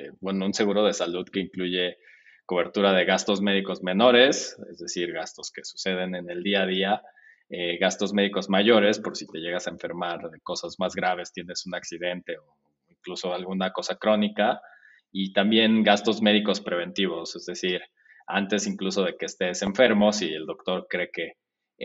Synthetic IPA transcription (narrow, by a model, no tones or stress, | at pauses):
ebwe̞no̞unse̞ɣuɾo̞ð̞e̞saluðke̞iŋkluʝe̞ | ko̞β̞e̞ɾt̪uɾaðe̞ɣast̪o̞zme̞ðiko̞zme̞no̞ɾe̞se̞̰zðe̞siɾɣast̪o̞ske̞̥su̥se̞ð̞e̞ne̞ne̞ld̪iað̞ia | eɣast̪o̞zme̞ðiko̞zmaʝo̞ɾe̞spo̞ɾsit̪e̞ʝe̞ɣasaeɱfe̞ɾmaɾðeko̞sazmazɣɾaβ̞e̞st̪je̞ne̞sunaksiðe̞nt̪e̞o | iŋkluso̞alɣunako̞sakɾo̞nika | it̪ambje̞nɡast̪o̞zme̞ðiko̞spɾe̞β̞e̞nt̪iβ̞o̞se̞zðe̞siɾ | a̰nt̪e̞siŋkluso̞ð̞e̞keːst̪e̞se̞ɱfe̞ɾmo̞sield̪o̞kt̪o̞ɾkɾe̞ke̞